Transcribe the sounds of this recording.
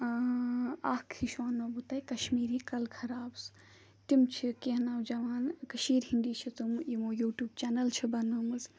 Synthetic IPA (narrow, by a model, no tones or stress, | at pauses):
aːkʰiʃʋaːnːɐbut̪aːjkɐʃmiːɾikɐlkʰɐɾaːbs | t̪imt͡ʃʰikeɦnawd͡ʒɐʋaːnkɐʃiːɾɦiɳɖiːt͡ʃʰit̪umimojuːʈjuːbt͡ʃaːnɐlt͡ʃʰibɐnumɨz